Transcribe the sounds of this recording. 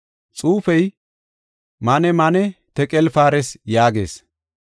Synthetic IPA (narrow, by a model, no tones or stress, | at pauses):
t͡sʼuːfɛj | mɐnɛmɐnɛt̪ɛkʼɛlfaːɾɛsjaːɡḛːs